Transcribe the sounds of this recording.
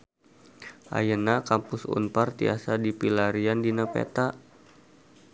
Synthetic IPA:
ʔa̰jənakampʊsṵnpart̪ḭa̰sadipilaɾiandinapḛt̪a

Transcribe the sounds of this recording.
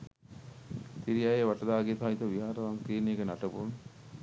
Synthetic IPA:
t̪iɾijajeʋaʈɐd̪aːɡet̪ait̪oʋiɦaːɾəʋaŋkiːnijɡənaʈəbun

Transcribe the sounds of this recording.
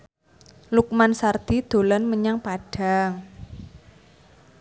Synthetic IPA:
luk̚mansard̪̥i̤d̪̥o̤lanməɲaŋpaɖ̥a̤ŋ

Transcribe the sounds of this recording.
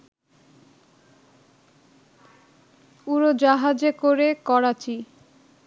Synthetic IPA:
uɾod͡ʑaɦad͡ʑekoɾekɔɾat͡ɕi

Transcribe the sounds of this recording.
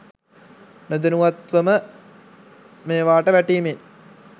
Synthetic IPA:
nɐd̪inuʋɐt̪ʋɐmə | meːʋaːʈəʋæʈːiːmen

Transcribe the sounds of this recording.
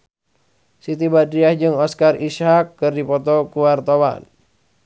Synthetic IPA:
sit̪ibadɾiahd͡ʒɨŋɔskarishakːərdipɔt̪ɔkuwart̪owa̰n

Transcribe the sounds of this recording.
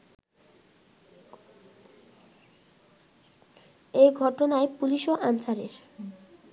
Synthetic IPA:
ejɡʱɔʈonaepuliʃoʔant͡ɕaɾeɾ

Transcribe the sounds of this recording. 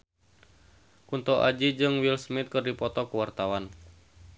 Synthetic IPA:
kunt̪ɔʔa̰d͡ʒid͡ʒɨŋwilsmit̪̚kɨrdipɔt̪ɔkuwart̪awan

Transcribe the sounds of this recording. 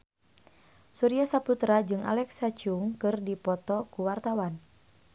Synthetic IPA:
suɾiasaput̪ɾad͡ʒɨŋʔa̰lɛksat͡ʃuŋkɨrdipɔt̪ɔkuwart̪awan

